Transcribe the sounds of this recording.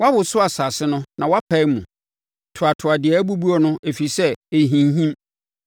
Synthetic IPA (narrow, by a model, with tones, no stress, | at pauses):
wa˦wʊ˨sʊ˦a˨sa˨sɪ˦nʊ̃˦nã˨wa˦pʰa˦ɪ˦mũ˨ | tʰʊ˨a˨tʰʊ˨a˨dɪ˨ɛ˨˦æ˦bu˦bu˦ɔ˨nʊ̃˦ʔe˨fi˨sɛ˦e˨ɦĩ˨n˦ɦĩ˦m